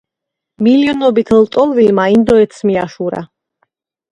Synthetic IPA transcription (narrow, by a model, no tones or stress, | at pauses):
miliɔnɔbit̪ʰlt̪ʼɔlˠvilmaind̪ɔɛt̪sʰmiaʃuɾa̰